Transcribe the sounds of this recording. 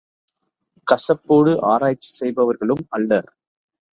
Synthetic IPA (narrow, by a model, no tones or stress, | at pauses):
kɐsɐpːoːɽɯʔaːɾaːjt͡ʃːi̥sɛjbɐʋɐɾɣɐɭɯmɐlːɐ